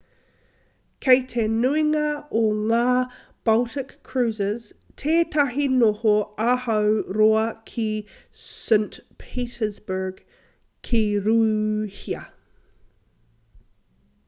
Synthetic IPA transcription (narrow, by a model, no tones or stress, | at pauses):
kʰejtʰenuiŋɐoŋaː | b̥ɐltɪkʰːɹ̥ʉːzəz̥tʰeːtʰɐɦinohoahɐwɾoɐkʰi | sɛŋtpʰiːtəzbə˞ɡ̥ | kʰiɾuːhiɐ